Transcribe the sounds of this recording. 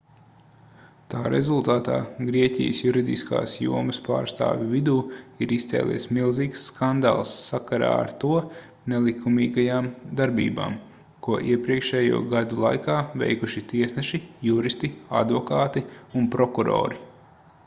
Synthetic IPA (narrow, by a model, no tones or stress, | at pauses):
t̪aːɾʔḛzulˠt̪aːt̪a̰ːɡɾiɛcʲḭjəsjuɾid̪ḭska̰ːsjṵɔməspa̰ːɾst̪a̰ːvʲuvid̪uːiɾist̪sɛ̰ːlʲˠʔḭɛsmilˠziːksːkand̪a̰ːlˠsːakaɾa̰ːa̰ɾt̪uɔ | nɛlˠikumiːɡajaːmd̪aɾbḭːba̰ːm | kuɔʔiɛpɾiɛkʃɛjṵɔɡad̪ulˠa̰jkaːvḛjkuʃit̪iɛsnɛʃijuɾist̪ia̰d̪vɔkaːt̪iunpɾɔkuɾo̰ːɾi